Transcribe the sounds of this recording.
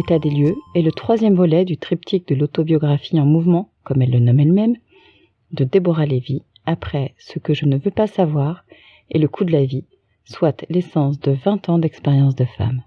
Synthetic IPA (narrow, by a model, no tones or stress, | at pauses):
et̪ad̪eljøɛlət̪χwazjɛmvɔlɛd̪yt̪χipt̪ʰik̚d̪əlot̪objɔɡʁafiɑ̃muvmɑ̃kɔmɛlːənɔmɛlmɛm | d̪əd̪ebɔʁalevi | apχɛsəkəʒənəvøpasavwaʁ | ḛləkʰud̪əlavi | swat̪lesɑ̃sd̪əvɛ̃t̪ɑ̃d̪ɛkspeʁjɑ̃s̬d̪əfa̰m